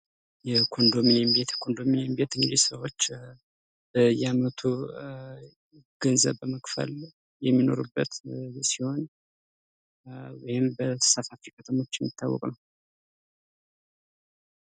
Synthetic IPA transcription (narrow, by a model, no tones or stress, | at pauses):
jɛkʰo̞nd̪o̞minembet̪kʰo̞nd̪o̞minembe̞t̪ɨŋɡɨd̪isəwo̞t͡ʃː | bəjamət̪ʰu | ɡ̥ənzə̰βːəməkʼfə̰l | jɛmːino̞̰ɾubːət̪siho̞n | wɔjɪmbəsafafikʰʼət̪ʰʼəmo̞t͡ʃːjɛmːit̪ʰːawːɔ̰kʼnəw